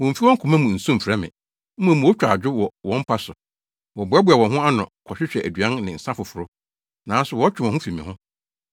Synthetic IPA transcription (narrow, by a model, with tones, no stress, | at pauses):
wɔ̃˨m̩˨fi˦wɔ̃˦kʰʊ̃˨mã˦mũ˨n̩˨sũ˦m̩˨fɾɛ˦mɪ̰̃˨ | m̩˦mã˨mũ˨wo˦t͡ɕᶣa˨d͡ʑᶣʊ˦wɔ˨wɔ̃˨˦m̩˦pʰa˦sʊ˨ | wɔ˨bʊ˨˦a˦bʊ˦a˨wɔ̃˨ɦʊ̃˦a˦nɔ̰̃˨kʰɔ˨ɕᶣɪ˦ɕᶣɛ˨ʔæ˨dɥã˦nnɪ̃˨n̩˨sã˦fʊ˨fʊ˨ɾʊ˦ | nãː˨˦sʊ˨wɔ˦t͡ɕᶣɪ˨wɔ̃˨hʊ̃˦fi˨mɪ̃˨hʊ̃˦